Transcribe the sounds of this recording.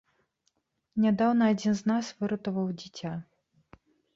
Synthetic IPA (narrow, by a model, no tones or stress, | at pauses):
nʲad̪awnɐːd͡zʲinznasvɨɾɐt̪ɐvɐwd͡zʲit͡sʲa